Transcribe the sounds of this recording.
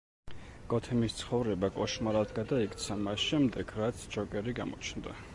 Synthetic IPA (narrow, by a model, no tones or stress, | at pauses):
ɡ̥ɔt̪ʰɛmist̪sʰχɔvɾɛbakʼɔʃmaɾalt̪ʰɡad̪aikʼt̪sʰamasʃɛmd̪ɛɡʰɾat̪sʰd͡ʒɔkʼɛɾiɡamɔ̰t͡ʃʰnd̪a